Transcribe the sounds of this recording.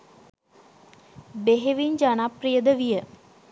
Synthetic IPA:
beɦeʋiɲd͡ʒanaprijəd̪əʋijə

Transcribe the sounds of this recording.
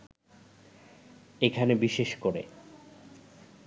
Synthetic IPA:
ekʰanebiʃeʃkoɾḛ

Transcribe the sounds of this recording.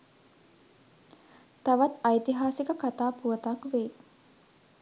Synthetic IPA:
t̪aʋat̪ajt̪iɦaːsikəkat̪aːpuət̪akʋe

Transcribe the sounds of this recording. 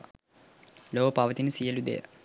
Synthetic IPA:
loːɐpaːʋɐt̪inɨsijɐlud̪ḛjɐ̰

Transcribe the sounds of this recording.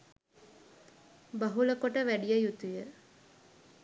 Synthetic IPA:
baɦuləkoʈəʋæɖijəjut̪ujə

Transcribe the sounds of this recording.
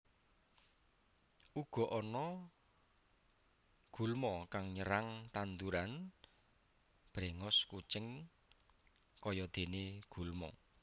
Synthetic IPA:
ʔuɡ̥ɔ̤ʔɔnɔ | ɡ̥ṳlmɔkaŋɲəɾaŋt̪and̪uɾan | b̥ɾeŋɔskut͡ʃɪŋ | kɔjɔd̪̥e̤neɡ̥ṳlmɔ

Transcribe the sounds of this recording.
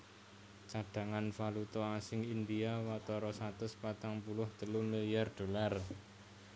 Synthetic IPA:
t͡ʃaɖ̥a̤ŋanfalut̪ɔasɪŋind̪iawat̪ɔɾɔsat̪ʊspat̪aŋpulʊht̪əlʊmilijard̪̥o̤lar

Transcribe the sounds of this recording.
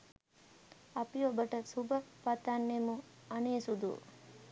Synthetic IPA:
ɐpiobəʈəsubəpat̪anːemu | ɐneːsud̪ṵ

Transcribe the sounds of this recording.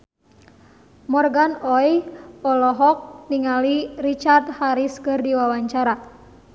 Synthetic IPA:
mɔrɡanɔjɔlɔɦɔk̚niŋalirit͡ʃart̪̚haɾiskɨrdiwawaɲt͡ʃaɾa

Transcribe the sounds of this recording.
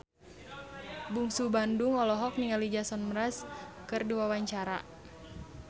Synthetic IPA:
buŋsubanduŋɔlɔɦɔk̚niŋalid͡ʒasɔnməɾaskɨrduwawaɲt͡ʃaɾa

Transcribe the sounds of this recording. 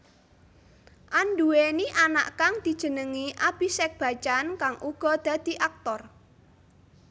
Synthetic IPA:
ʔand̪ueniʔana̰ʔkaŋd̪̥i̤d̥ʒ̥ə̤nəŋiʔab̥i̤sɛk̚b̥a̤t͡ʃankaŋʔuɡ̥ɔ̤d̪̥a̤d̪̥i̤ʔak̚t̪ɔr

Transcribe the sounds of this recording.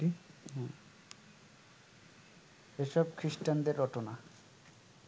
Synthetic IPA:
iɦɛ̃ | eʃɔbkʰɾisʈand̪eɾːɔʈona

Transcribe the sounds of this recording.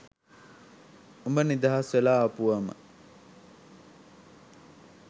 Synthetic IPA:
umbənid̪aɦasʋelaːɐpuʋɐmə̰

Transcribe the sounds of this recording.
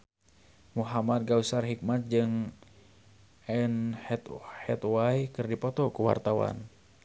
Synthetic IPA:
muɦamat̪̚ɡausarɦik̚mat̪̚d͡ʒɨŋ | ɛnɛt̪hɛt̪waikɨrdipɔt̪ɔkuwa̰rt̪awa̰n

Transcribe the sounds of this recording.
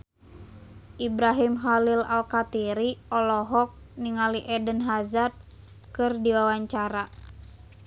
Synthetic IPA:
ʔibɾaɦimxalilalkat̪iɾiɔlɔɦɔk̚niŋaliʔɛdənɦazat̪̚ | kɨrdiwawaɲt͡ʃaɾa

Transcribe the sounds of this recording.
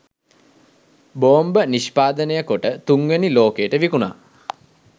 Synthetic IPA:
boːmbəniʃpaːd̪ənəjəkoʈət̪uŋɡeniloːkejəʈəʋikuna̰ː

